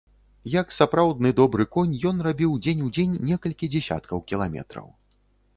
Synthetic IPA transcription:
jɐksapɾawd̪̚nɨd̪ɔbɾɨkɔnʲjɔnrabʲiwd͡zʲenʲud͡zʲenʲːɛkɐlʲkʲid͡zʲɛsʲa̰t̪̚kɐwkʲilˠamʲɛ̰t̪ɾɐ̰w

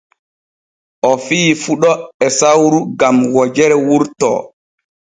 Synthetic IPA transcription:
ʔɔfiːfuɗɔɛsawɾuɡamwɔd͡ʒɛɾɛwuɾtɔ̰

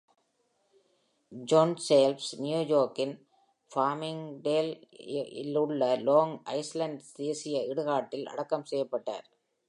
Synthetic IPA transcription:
d͡ʒoːnseːlfsnjuːjoːɾkːɪn | faːmɪŋɖeːlɪ̰lɯɭːɐloːŋʔɐ̰ɪslɐɳɖd̪eːsɪjɐɪɽɯɣaːʈːɪlʔɐ̰ɽɐkːɐmsɛjːɐpːɐʈːa̰ːɾ

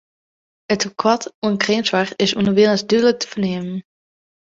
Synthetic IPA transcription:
ətukʰwɔtunkreːnsʋarɪsunəʋɪlˠəsdylˠətə̥fəneːmən

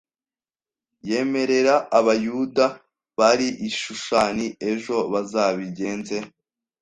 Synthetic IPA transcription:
je̞ːme̞ɾe̞ɾaːβajuda | βaɾiʔiʃuʃaːnie̞ʒo̞βazaːβiɟe̞ːnze̞

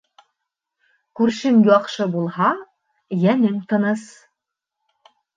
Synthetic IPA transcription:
kʉɾʃɘmjɒqʃɤbulˠhɑ | jænɘŋt̪ɤ̆nɤs

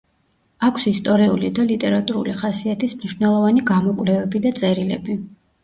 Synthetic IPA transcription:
akʰsist̪ʼɔɾiulid̪alit̪ʼɛɾat̪ʼuɾṵliχasiat̪ʰismniʃvnɛlˠɔvaniɡamɔkʼvlɛvɛbid̪at̪sʼɛɾilɛbi

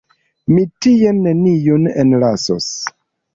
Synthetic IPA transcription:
mitijenːenijonḛnlaso̰s

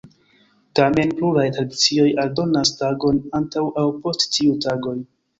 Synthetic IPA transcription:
tame̞npluɾajtɾadit͡sio̞jaldo̞nastaɡo̞nantawʔawpo̞sttiutaɡo̞j

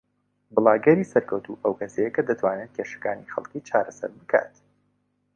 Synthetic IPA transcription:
bɨlˠaːɡɛɾiːsɐɾkɐwt̪uʔəwkɐsejɛkɐd̪ɐt̪ʰwaːnenkʰeʃɐ̥kaːnixɐ̰lˠkiːt͡ʃʰaːɾɐsɐ̰ɾbɨkʰa̰ːt̪

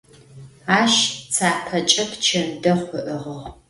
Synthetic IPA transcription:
aːʃt͡sʰaːpʰɐt͡ʃʼɐpʰt͡ʃʰɐmdɐχʷʊʔɨʁɐʁ

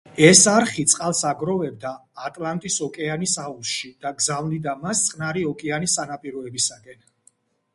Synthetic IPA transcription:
ɛsaɾχit̪sʼqʼalˠsaɡɾɔvɛb̚d̪aːt̪ʼlˠant̪ʼisɔkʼɛanisausʃid̪̥aɡzavlid̪amast̪sʼqʼnaɾiɔkʼɛanisanapʼiɾɔɛbisakʼɛn

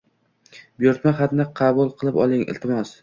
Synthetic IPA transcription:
bjoɾt̪maχat̪nɪqʰɑbulˠqʰɨlˠɪpɒ̰lˠɪŋɪ̰lt̪ʰɪmɒs

